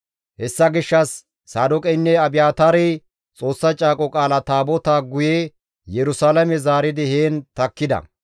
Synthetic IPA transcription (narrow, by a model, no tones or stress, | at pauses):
hɛsːɐɡɪʃːɐsː | aːd̪ʊkʼɛjnːɛɐbɪjaːt̪aːɾɛj | t͡sʼo̞ːsːɐt͡ʃʼaːkʼɔkʼaːlɐt̪aːbɔt̪aːɡʊje | jɛɾʊsaːlɐmɛzaːɾɪd̪ɪheːnt̪ɐkːɪd̪ɐ̰